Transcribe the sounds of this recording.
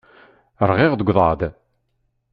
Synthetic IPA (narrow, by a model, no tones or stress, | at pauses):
əɾˤʁɪʁðəɡʷðˤɑd̪